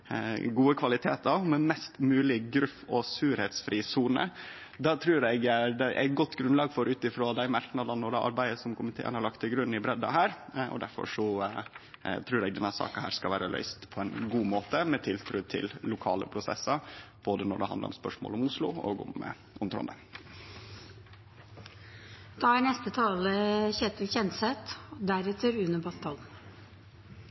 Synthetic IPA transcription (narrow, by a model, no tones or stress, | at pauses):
ɡuːəkʰʋɑlɪt̪ʰeːt̪ɑʋmɛmɛst̪mʉːlɪɡɾʉfɔsʉːɾhɛt̪sfɾiːsuːnə̰ | d̪ɑːt̪ʰɾʉːɾɛɡd̪ɛʔæ̰ɪt̪̚ɡɔt̪ːɡɾʉnlɑːɡfɔɾʔʉːt̪ɪfɾoːd̪æɪmɑɾknɑd̪ɑnːɔɖɛʔɑ̰ɾbæɪəsɔmkʰʊmɪt̪ʰḛːə̰nhɑɾɭɑkt̪ʰːɪlɡɾʉnːɪbɾɛd̪ːɑ̰ɦæːɾɔ̰d̪æɾfɔ̰ʂɔ | t̪ʰɾʉːɾɛɡd̪ɛnːæsɑ̰ːkɑnhæ̰ːɾskɑlʋæːɾəlœ̰ʏst̪pʰɔæɪnɡuːmoːt̪əmɛt̪ʰɪlt̪ʰɾʉːt̪ʰɪ̰lːʊkʰɑːlə̰pʰɾʊsɛ̰sɑb̥oːd̪ənɔ̰ɖɛ̰ɦɑnd̪ə̰ɾɔ̰mspœʂmo̰ːlɔmʊslʊo̰ːɡʊ̰m | ʔɔmt̪ʰɾɔ̰nd̪ə | d̪̥ɑːæɳɛst̪ət̪ʰɑːləçɛt̪əlçɛnt̪sɛt̪ɔd̪æɾɛt̪ʰəɾʉnəbɑt̪ʰːɑl